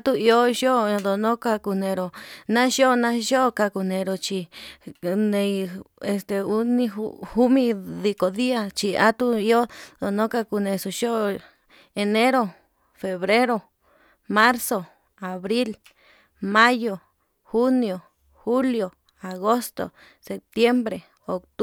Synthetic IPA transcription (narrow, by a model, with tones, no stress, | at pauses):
a˦t̪u˦i˧o˦ʃo˦˨d̪o˨nõ˦ka˧ku˧nẽ˨˧ɾo˨nã˦ʃo˦˨nã˦ʃo˦˧ka˧ku˧nẽ˧ɾo˨t͡ʃi˧ | nẽ˧e˧st̪e˨u˦nĩ˦hu˦mĩ˧ði˧ko˨ði˦a˧t͡ʃi˧a̰˦t̪u˦i˧˦o˦d̪o˨nõ˦ka˧ku˧nẽ˧su˨ʃo˦˧˨ | e˨˧ne˦ɾo˧˨ | fe˨βɾe˦ɾo˧ | ma˦ɾso˨ | a˨βɾi˦l | ma˦jo˨ | xu˦njo˨ | xu˦ljo˨ | a˨ɣo˦st̪o̰˨ | se˨p̚t̪je˦mbɾe˨ | o˨kt̪